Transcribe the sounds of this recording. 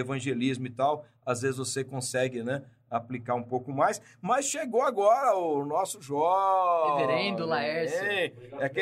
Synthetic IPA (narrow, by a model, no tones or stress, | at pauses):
evɐ̃ʒelizmʊɪt̪aw | azvezɪzvosekõsɛɡɪnɛ | aplikaɾũpowkʊmajs | mɐsʃeɡowaɡɔɾɐʊnɔsʊʒɔveɾẽd̪ʊlaɛsɛɛake